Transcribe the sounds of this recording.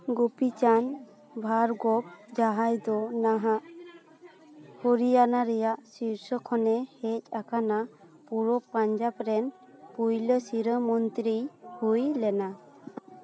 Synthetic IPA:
ɡupit͡ʃan | bʱaɾɡɔp̚d͡ʒaɦajd̪ɔnaɦaʔ | hɔɾijanaɾɛjaʔsiɾsɔkʰɔnɛhɛc̚ˀakʰanapuɾɔpaɲd͡ʒapɾɛn | pujləsiɾəmɔnt̪ɾihujlɛna

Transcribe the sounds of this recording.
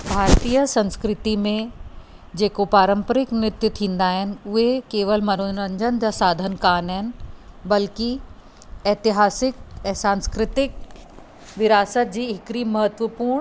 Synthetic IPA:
bʱaːɾt̪iːjəsɐ̃nskɾɪt̪imẽ | d͡ʑeːkopaːɾə̃mpəɾɪknɪt̪jʊt̪ʰĩːnd̪aːɦɪnɪ̆ʊɦekeːʋəlmɐnoɾə̃ɲd͡ʑənd͡ʑaːsaːd̪ʱənkaːnɦɪnɪ̆bɐlki | ɛːt̪ɪɦaːsɪk̚ɛ̃ːsãːnskɾɪt̪ɪk̚ | ʋɪɾaːsət̪̚d͡ʑiːɦɪkɾiːmɐɦət̪ʋəpuːɾɳ̃

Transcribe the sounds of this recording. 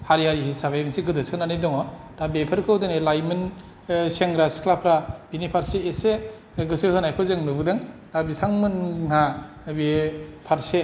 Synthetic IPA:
haɾiɦaɾihisabajbinseɡɯdɯsɯnanidɔŋɔɾabepʰaɾkʰɯwdɯnelajmɯn | seŋɡɾaskʰlapʰɾab̥inipʰaɾseːse | ɡɯsɯsanajkʰɯzɯŋnɯbɯdaŋɾabitʰaŋmɯnna | bepʰaɾse

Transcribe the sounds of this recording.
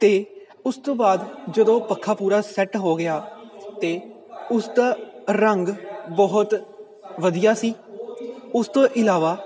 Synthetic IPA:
t̪eː | ʊst̪õːbaːd̪d͡ʒəd̪õːpəkʰːaːpuːɾaːsɛʈɦoːɡɪjaːt̪eː | ʊsd̪aːɾəŋɡbəɦʊt̪ | ʋəd̪ijaːsiː | ʊst̪õːʔɪlaːʋaː

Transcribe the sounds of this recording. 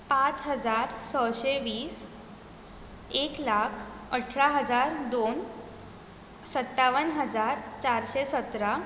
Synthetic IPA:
pat͡sɦəd͡zaɾsəɕeʋiːs | eklakʰ | əʈʰɭaɦəd͡zaɾd̪on | sət̪ːaʋənɦəd͡zaɾt͡ɕaɾɕesət̪ɾa

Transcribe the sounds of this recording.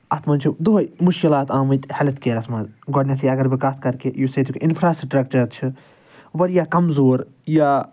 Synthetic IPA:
ɐt̪ʰmɐnt͡ʃʰud̪uɦomʊʃkilaːt̪aːmɨt̪hɐlɐt̪keːɾɐsmɐzɡɔɽnʲɐt̪ʰijɐɡɐɾʋikaːskɐɾkejuːset̪ʰukʲʔɪnfʰɾaːsɾʈɾeːk̚ʈɐɾt͡ʃʰɨ | ʋɐɾjaːkɐmzoːɾ | jaː

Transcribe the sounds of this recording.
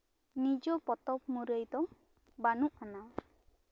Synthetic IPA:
nid͡ʒɔpɔt̪ɔp̚muɾəjd̪ɔŋ | banuʔana

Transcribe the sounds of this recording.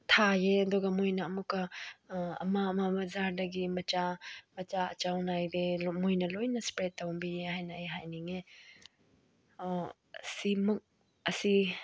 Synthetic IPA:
t̪ʰajedɔɡɐmujnɐːmukːa | ɐ̰mamabɐzaɾdɐɡimɐt͡ʃamɐt͡ʃaɐ̰t͡ʃawnajdemujnɐlojnɐspɾetːawbijehajnɐeɦajniŋe | simuk̚ | ɐsi

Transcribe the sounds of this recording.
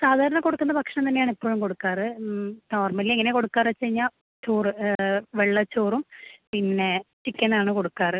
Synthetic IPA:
saːd̪ʱaːɾɐɳɐko̞ɽukːunːɐpɐkʂɳɐmt̪ɐnːejaːɳipːo̞ːɻumko̞ɽukːaːrɨno̞ːrmɐlileŋːɐneko̞ɽukːaːret͡ɕːejɲːa | t͡ɕoːrɨʋeɭːɐt͡ɕːoːrumpinːe̞t͡ɕikʲːɐnːaːɳɨko̞ɽukːaːrɨ

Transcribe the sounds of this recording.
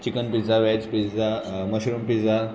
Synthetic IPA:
t͡ɕikənpid͡zaʋɛt͡spid͡zaməɕɾumpid͡za

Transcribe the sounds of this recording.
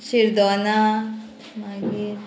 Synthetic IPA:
t͡ʃiɾd̪ɔna | maɡiɾ

